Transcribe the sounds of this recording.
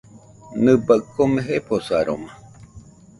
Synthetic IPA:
nɨbəʔkːomeɦepʰosaɾo̰ma

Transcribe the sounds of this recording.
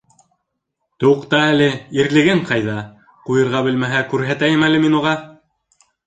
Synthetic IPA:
t̪uqt̪ɑælɘiɾlɘ̆ɡɘɴqɑjðɑ | qujɤ̆ɾʁɑbɘ̆lmæɦækʉɾɦæt̪æjɘmælɘminuʁɑ

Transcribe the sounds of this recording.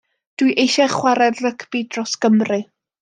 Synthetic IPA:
d̥wijʔejʃɛχwaɾɛdrəkʰbidrɔsɡ̥əmrɨ

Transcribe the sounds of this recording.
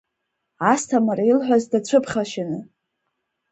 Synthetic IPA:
astʰamaɾailħʷᶣazdat͡ɕʷʰɨpʰχʲaʃanɨ

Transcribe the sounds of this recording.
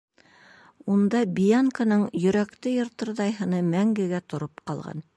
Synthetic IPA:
und̪ɑbʲijaŋkanɤɴjɵ̆ɾækt̪ɘjŏɾt̪ɤ̆ɾðɑjɦɤ̆nɤmæŋɡɘ̆ɡæt̪ŏɾopqɑ̰lˠʁɑ̰n

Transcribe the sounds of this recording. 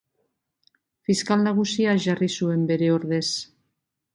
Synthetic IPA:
fiskalnaɣ̞usiaʝarisue̞mbe̞ɾe̞o̞ɾðe̞s

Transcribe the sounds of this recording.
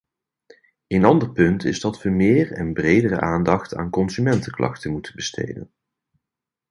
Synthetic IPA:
ejnɑndəɹpɵntʰɪzdɑtʋəmɪːɹɛnbrejdərə̰ʔaːndɑχta̰ːnkɔnzymɛntəklɑ̰xtənmutənbəstʰḛjdə̰n

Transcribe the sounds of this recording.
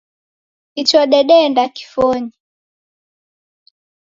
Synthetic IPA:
kit͡ʃɔɗɛɗɛndaki̥fɔɲi

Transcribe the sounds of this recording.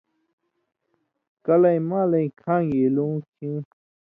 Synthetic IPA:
kɐlɐĩmãːlɐĩkʰãːŋelũːkʰĩ

